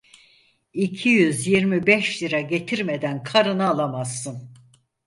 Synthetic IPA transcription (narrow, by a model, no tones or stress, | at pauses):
icʰijyzjiɾmibɛʃliɾaɟe̞t̪ʰiɾmed̪ænkʰaɾɯnaːlˠamasːɯn